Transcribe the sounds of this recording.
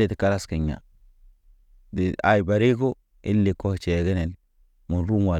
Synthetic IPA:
i˦˨ti˨ka˦la˦ski˨ɲːa̰˨ | di˨a̰˨jba˨ɾi˦ko˦ | i˦lːi˨ko˦ht͡ʃe˨ɡi˦ne˨n | mu˨ɾu˦mwa˨

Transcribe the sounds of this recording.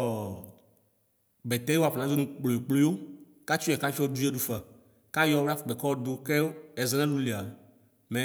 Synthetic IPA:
bɛ˨t̪ɛ˦i˦wo˦a˨pe˨ã˨zo˦nũ˦k͡plo˨e˨k͡plo˦wo˦ | ka˦t͡ʃu˦ɛ˨ka˦fi˦o˦d̪u˦e˦ɖu˦fa˨ | ka˦jɔ˦wi˦a˦fk͡pɛ˨kɔ˦wo˦d̪o˦kɛ˦o˦ɛ˨zɛ˦nã˦lũ˦li˨a˨ | mɛ̃˨˦

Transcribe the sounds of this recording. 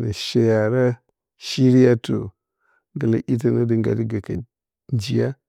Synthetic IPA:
na˨ʃe˨ja˨ɾa˦ | ʃi˦ɾi˦ja˦to̰˨ | ɡə˨la˨ʔi˦t̬a˨na˦di˨ŋɡa̰˨li˦ɡa˨ka˨ | nd͡ʒi˨˦ja˦

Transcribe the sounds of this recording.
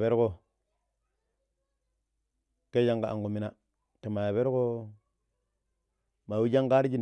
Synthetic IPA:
be˦ɾko˦ | ke˦d͡ʒa˦ŋɡa˨ʔa̰˨ŋɡu˨mi˨na˨ | te˨ma˨ja˨be˦ɾko˦ | ma˨wi˦d͡ʒa˦ŋka˦ɾi˦d͡ʒi˦n

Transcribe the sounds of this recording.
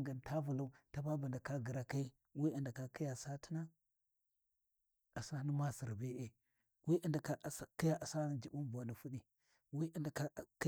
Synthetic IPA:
ɡa˨nta˦vu˨la˦u˦ta˦ba˦ba˨nda˨ka˦ɡi˨ɾa˨ka˦i˦ | wi˦a˨nda˨ka˨ki˦ja˨sa˦ti̥˦na˦ | a˨sa˦ni˦ma˦si˨ɾbe˦ʔe˦ | wi˦ʔa˨nda˨ka˦˨sa˦ki˦ja˨ʔa˨sa˦ni˦d͡ʒi˨bu˦ba˨ni˨fu˦ɗi˨ | wi˦a˨nda˨ka˦˨k

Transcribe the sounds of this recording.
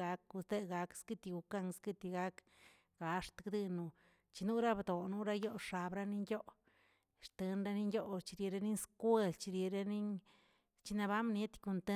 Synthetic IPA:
a˧ku˧st̪e˦˧ɡa˧kskɨ˦t̪i˧ɡu˨˧ka˦˧ŋskɨ˦˧t̪i˧ɡa˦k | ɡ̥a˨˧ʂt̪ɡd̪i˧nu˧ | t͡ʃi˧nu˦ɾa˦bd̪o˨nu˦ɾa˦jo˦ʂa˧bɾa˦ni˦njo˦ʔ | ʂt̪e˧nɾa˦ni˦ŋjo˦t͡ʃi˧ɾe˨ɾe˧˦ni˦nskwʷe˧lt͡ʃi˧ɾje˨˧ɾa˦ni˦n | t͡ʃi˧na˧ba˦mnje˦t̪ku˧nt̪e˦

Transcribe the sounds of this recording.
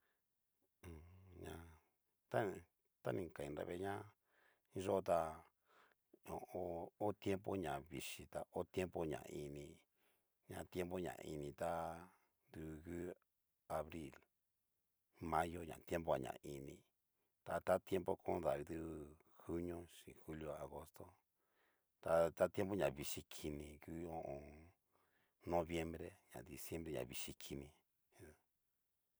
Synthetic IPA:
ɲã˧ | t̪a˦ | t̪a˦nĩ˨ka˨ĩ˧˨nɾa̰˧βḛ˧ɲã˦ | i˦ʐo˦˧t̪a˧ | õ˨o˧o˦t̪je˦mpo˦ɲã˨βi˨ʂi˧t̪a˧ʔo˦t̪je˦mpo˦ɲã̰˨˧i˧nĩ˧ | ɲã˧t̪je˦mpo˦ɲã̰˨˧i˧nĩ˧t̪a˦ | nd̪u˧ɣɨ˦ | a˧βɾi˦˨l | mã˦jo˦ɲã̰˨t̪je˦mbo˦a̰˨ɲã̰˨ʔi˧nĩ˧ | t̪a˧t̪a˦t̪je˦mbo˦kʰõ˦ða˨βi˧ðu˦˧ | xu˦ɲõ˦ʂĩ˨xu˦ljo˧a˨ɣo˧˦st̪o˦ | t̪a˧t̪a˦t̪je˦mbo˦ɲã˨βi˧ʂi˧kʰi˧nĩ˧ku˦o˧ʔõ˧ | nõ˧βje˦mbɾe˦ɲã̰˨d̪i˨sje˦mbɾe˦ɲã̰˨βi˧ʂi˧kʰi˧nĩ˧

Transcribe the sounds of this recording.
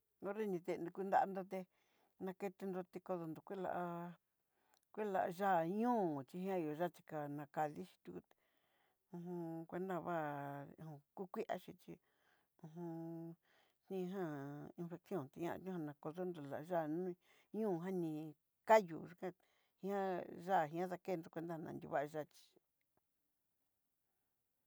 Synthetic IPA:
o˦ɾe˦nĩ˧t̪e˧nu˧kʷu˦˧nd̪a˦ʔa˧nd̪o˧t̪̬e˧ | nã˧ke˦˧t̪e˧nd̪o˧t̪e˧ko˧ðo˧nd̪o˨kʷi˦la̰˧ʔa˧ | kʷi˦la̰˧ʔʒa˦˨ɲũː˦˨t͡ʃi˧ɦã˦˧˨o˨ʒa˦˨t͡ʃi̥˧ka˧nã˧ka˧ði˦ʃi̥˧t̪u˧ku˧t̪ | ũ˧ɦũ˧kʷe˧˦nd̪a˦˧βã˦˧˨hũ˧ku˦kʷi˦ʔa̰˦ʃĩ˧t͡ʃḭ˧ | ũ˧ɦũ˧ | nĩ˦˧˦ɦã˦˨i˧nfe˧ksjo˦˨nt̪i˧ɲã̰˧ɲũ˦hã˧nã˧ko˧ðo˦nd̪o˧˨la̰˨ʔʒa˦˨nũ˦ | ɲũː˦˨˧ɦã˦nĩ˧ | ka˦jṵ˨ʒu˧kã˦ | hĩ˦ã˦ʒa˦˨ɦĩ˧˦ã˦ða˧ke˦˧nd̪o˧kʷe˧nd̪a˦˧nã̰˧nd̪ʲṵ˧βa˦ʔʒa˦˧˨t͡ʃi̥˨

